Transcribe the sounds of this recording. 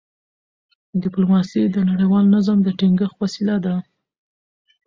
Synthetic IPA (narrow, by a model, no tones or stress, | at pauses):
ɖɪplumɑsid̪ənaɽajwɑlnazamd̪əʈiŋɡəxwasilad̪a